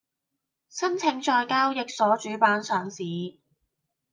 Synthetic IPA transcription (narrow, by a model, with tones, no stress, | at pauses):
sɐ˥nt͡sʰɪ˨˧ŋt͡ʃɔː˧jkaː˥wjɪ˨k̚sɔː˨˥t͡ʃyː˨˥paː˨˧nsœː˨ŋsiː˨˥